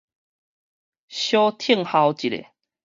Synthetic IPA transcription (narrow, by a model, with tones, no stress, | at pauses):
ɕjo˦t̪ʰi˥˧˨ŋha˧wt͡ɕi˨ɾḛ˨